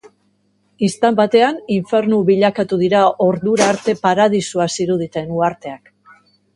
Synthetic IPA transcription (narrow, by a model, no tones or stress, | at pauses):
ist̪ambat̪e̞aniɱfe̞ɾnuβiʎakat̪uð̞iɾao̞ɾðuɾaːɾt̪e̞paɾað̞isuasiɾuð̞it̪e̞nuaɾt̪e̞ak